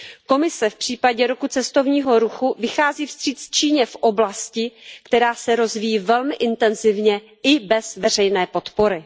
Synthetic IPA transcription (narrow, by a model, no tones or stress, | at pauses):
ko̞mɪsɛfpr̝̥iːpaɟɛɾokut͡sɛst̪o̞vɲiːɦo̞ɾuxuvɪxaːziːfst̪r̥iːt̪t͡st͡ʃiːɲɛfʔo̞blascɪkt̪ɛɾaːsɛɾo̞zvijiːvɛlmɪʔɪnt̪ɛnzɪvɲɛ | ɪbɛz̥vɛr̝ɛjnɛːpo̞t̪po̞ɾɪ